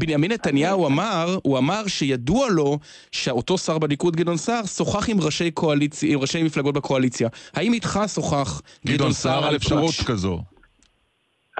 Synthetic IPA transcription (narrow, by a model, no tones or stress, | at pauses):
binjaminːetanjauamaʁuamaʁʃejadualo̞ | ʃeoto̞saʁbenikut̚ɡidonsaʁso̞χaχimʁaʃe̞jkʰoalit͡sjimʁaʃejmiflaɡot̚bekʰo̞alit͡sjahaimitχaso̞χaχɡidonsaʁalefʃaʁotkazo